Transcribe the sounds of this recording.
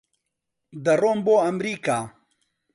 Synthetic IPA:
d̪ɐroːmboːɐmɾiːkaː

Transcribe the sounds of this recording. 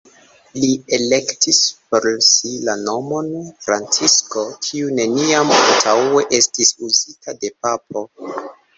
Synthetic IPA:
lie̞lektispoɾsilano̞mo̞nfɾant͡sisko̞kʰiune̞niama̰ltʰawe̞ʔe̞stisuzitade̞pap̚o̞

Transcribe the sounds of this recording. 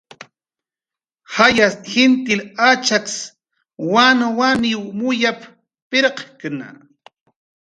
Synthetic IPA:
hajasxɪnt̪ɪlat͡ʃaks | wanawaniwmʊjap | peɾqkna̰

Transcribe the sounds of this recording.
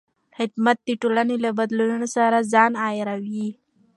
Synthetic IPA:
hɪd̪mat̪̚d̪iʈolanelabad̪lununosaɾazɑnajeɾawi

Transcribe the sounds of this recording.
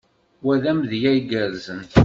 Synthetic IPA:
wæðæmðjæjɡəɾzən

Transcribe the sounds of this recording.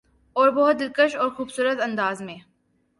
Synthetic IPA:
ɔːɾbɔɦt̪̚d̪ɪlkəʃɔːɾxuːbsuːɾət̪ɐ̃nd̪aːzmẽː

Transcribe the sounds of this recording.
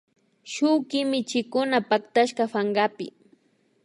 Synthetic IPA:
ʃʊwkɪmɪt͡ʃɪkʊnapakt̪aʃkafaŋɢapɪ̰

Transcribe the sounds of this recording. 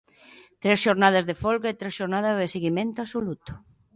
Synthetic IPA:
t̪ɾesʃoɾnaðɐzðefɔlɣaet̪ɾesʃoɾnaðɐzðeseɣimẽnt̪ʊasolut̪ʊ̥

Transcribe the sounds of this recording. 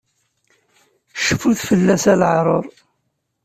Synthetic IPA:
ʃə̥fːuθfəlːæsælʕɾˤoɾˤ

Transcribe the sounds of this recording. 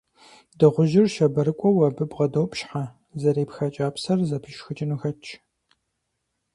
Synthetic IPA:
dɨʁʷʊʒɪrʃɐbɐɾɨkʷʼɔwɐbɨbʁɐdɐwpʼɕħa | zɐɾeːpxɐt͡ʃʼaːpsɐrzɐpʰɨʃxɨt͡ʃʼɪnuxɐt͡ʃʰ

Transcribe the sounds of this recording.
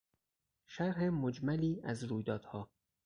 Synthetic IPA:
ʃæɾɦemod͡ʒmæliːæzɾuːjd̪ɒːd̪̥hɒː

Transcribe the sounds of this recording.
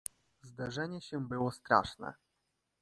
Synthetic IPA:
zd̪aʐɛɲɛɕɛbɘwɔst̪ɾa̰ʂnɛ̰

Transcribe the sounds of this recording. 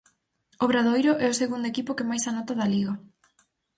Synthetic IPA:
oβɾaðojɾoʔɛoseɣund̪oekipokemajsanot̪aðaliɣa

